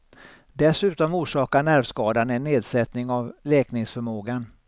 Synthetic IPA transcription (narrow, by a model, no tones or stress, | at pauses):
d̪ɛsʉ̟ːt̪ɔmuːʂɑːkanæɾvskɑːd̪anɛnːeːd̪sɛt̪nɪŋavlɛːknɪŋsfœɾmoːɡan